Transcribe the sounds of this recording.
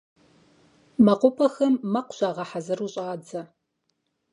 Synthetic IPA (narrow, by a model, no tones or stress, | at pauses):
mɐqʷʊpʰɐxɐmːɐqʷʊ̥ɕʷaːʁɐħazɐruɕʼaːd͡zɐ